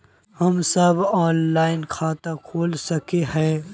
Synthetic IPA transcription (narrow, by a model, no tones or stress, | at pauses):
hɐmsɐbɔːnlaːɪnkʰaːt̪akʰoːlsɐkeɦɛ̃ː